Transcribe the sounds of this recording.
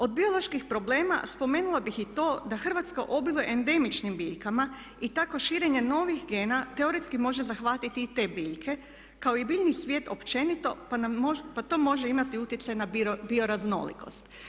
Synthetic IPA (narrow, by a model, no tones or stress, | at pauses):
o̞d̪̚bio̞lˠo̞ʃkixpɾo̞bleːma̰spo̞meːnulabixit̪o̞ːd̪axr̩ʋat̪ska̰ʔo̞biloʔend̪e̞mit͡ʃnimbiːʎkama | it̪ako̞ʃiːɾe̞ɲe̞no̞ʋixɡeːnat̪e̞oɾit̪skimo̞ʒezaxʋat̪it̪iit̪e̞ːbiːʎkʰe̞ | kao̞ibiːʎnisʋʲjeːt̪o̞pt͡ʃe̞nit̪o̞panaopat̪o̞ːmo̞ʒeimat̪iut̪jet̪sajnabiobio̞ɾazno̞̰lḭko̞̰st̪